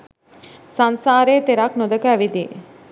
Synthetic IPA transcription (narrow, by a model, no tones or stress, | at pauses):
sansaːɾeːt̪eɾaknod̪əkəæʋid̪ḭ